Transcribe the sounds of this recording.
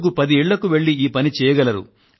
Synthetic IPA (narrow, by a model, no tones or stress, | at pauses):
ɡupɐd̪iɛːɭːɐkuʋe̞ɭːiiːpɐnit͡ʃɛːjɐɡɐlɐɾṵ